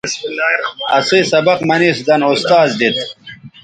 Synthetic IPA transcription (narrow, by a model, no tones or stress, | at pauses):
ɐ̰sisɐbɐqmɐnisd̪ɐnost̪aːzd̪it̪̚